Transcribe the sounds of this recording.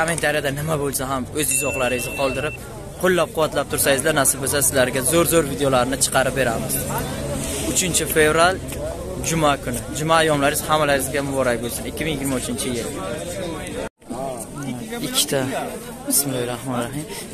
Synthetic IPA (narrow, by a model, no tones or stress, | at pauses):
kament̪ʰaɾijad̪anɪmabolˠsaɦamɵzɪzɒχlˠaɾɪɪzqʰɒlˠd̪ɪɾɪp̚ | qʰolˠːap̚qʰʊwat̪lap̚t̪ʰʊɾsajɪzlanasɪp̚bos̬asɪzlaɾɡʲazoɾzoɾvid̪ejolaɾɪnɪt͡ʃʰɨ̥qʰɑɾɪp̚be̞ɾamɪz | ʊt͡ʃʰɪnt͡ʃʰɪfe̞vɾal | d͡ʒʊmakʰʊnɪd͡ʒʊmaːjɒmlaɾɪz̥hamalaɾʲɪzɡʲamʊbɒɾak̚ʲbolˠsʊnɪkʲʰːɪmiŋjɪɡʲɪɾmaʊt͡ʃʰɪnt͡ʃʰɪjɪl | ɪkʰʲːɪ̥t̪ʰa | ɪsmɪlˠɒjɾahmɒnɾaɦɪm